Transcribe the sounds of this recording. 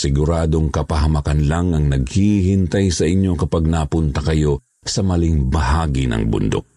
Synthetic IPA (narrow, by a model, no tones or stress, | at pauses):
sɪɡʊɾaːd̪oŋkɐpɐɦɐmɐkanlaŋɐŋnɐɡ̚hihint̪ajsɐʔɪɲːo̞kɐpaɡ̚napʊnt̪ɐkɐjo̞ | sɐmɐlɪŋbɐhaːɡinɐ̰ŋbʊ̰nd̪o̰k̚